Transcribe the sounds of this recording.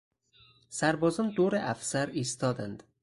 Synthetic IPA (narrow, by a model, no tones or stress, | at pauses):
sæɾbɒːzɒnd̪oɾeʔæfsæɾist̪ʰɒd̪ænd̪